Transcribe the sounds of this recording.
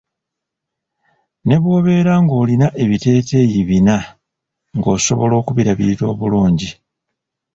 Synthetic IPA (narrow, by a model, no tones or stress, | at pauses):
ne̞βwo̞ːβe̞ɾaŋɡo̞ːlinaʔe̞βite̞ːte̞jiβina | ŋɡo̞ːso̞̰βo̞lo̞ːkuβiɾaβiɾiɾo̞ːβuluːɲɟi